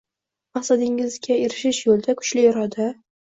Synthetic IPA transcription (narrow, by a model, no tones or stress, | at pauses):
mahsad̪ɪŋɪzɡʲaeɾɪʃɪʃjolˠd̪akʰʊ̥t͡ʃlɪjɒɾɒd̪a